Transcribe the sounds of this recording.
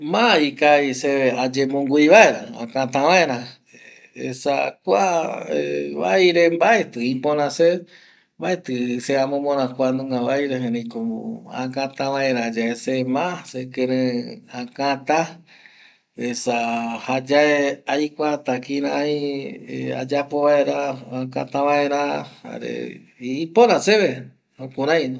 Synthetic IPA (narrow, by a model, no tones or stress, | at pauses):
mãikaiseead͡ʒemõŋɡuiβaeɾãã̰kãt̪ãβaeɾã | ḛsa̰kʷaeβajɾembaet̪ɨĩpõɾ̃ãse | mbaet̪ɨseamõmõɾ̃ãkʷanũŋɡaβajɾeɦeɾĩkoo̰ã̰kãt̪ãβaeɾãd͡ʒaesemãsekeɾẽakãt̪a | esahad͡ʒaeajkʷat̪akĩɾãiea̰d͡ʒapoβaeɾaakã̰t̪ãβaeɾãha̰ɾḛ | ipoɾãseβe | okũɾãjn